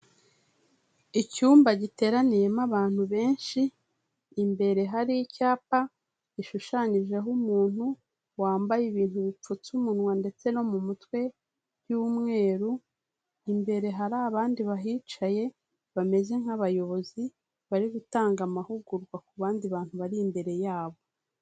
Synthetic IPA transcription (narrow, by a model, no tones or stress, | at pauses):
icuːmbaɟite̞ːɾanije̞maβaːn̥huβe̞ːnʃiː | mbe̞ɾe̞ɦaɾijicaːpa | iʃuʃaɲiʒe̞ɦumuːn̥hu | waːmbajiβiːnhuβip͡fut͡sumunŋwande̞t͡se̞no̞mumutwe̞ | juːmŋe̞ːɾu | imbe̞ɾe̞ɦaɾaβaːndiβaɦiːt͡ʃaje̞ | βame̞ze̞ŋ̥haβajo̞βo̞zi | βaɾiɡutaːŋɡamahuɡuɾɡwakuβaːndiβaːn̥huβaɾiːmbe̞ɾe̞jaːβo̞